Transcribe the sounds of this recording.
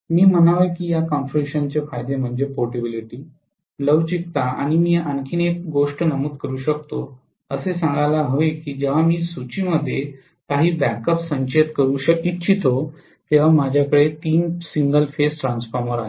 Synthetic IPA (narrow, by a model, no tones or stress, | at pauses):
miːm̤ənaʋəjkiːjakɔnfɾeɕənt͡ɕefajd̪em̤əɳd͡ʑepoɾʈibiliʈiː | ləʋt͡ɕik̚t̪aa̰ɽ̃imiːankʰiːnekɡoʂʈnəmuːt̪kəɾuːɕək̚t̪o | əsesãŋɡajlaɦoekiːd͡ʑeʋ̤amiːsut͡ɕiːməd̪ʱːje | kaɦiːbækəpsə̃ɲt͡ɕet̪kəɾuːɕəkit̪t͡ɕʰit̪ʰo | t̪eʋ̤amad͡ʑʱjakəɽet̪iːnsiŋɡəlfesʈɾãnsfɔɾməɾaɦe